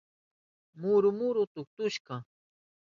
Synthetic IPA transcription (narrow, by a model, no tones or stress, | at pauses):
mʊɾʊmʊɾʊt̪ʊk̚t̪ʊʃkɑ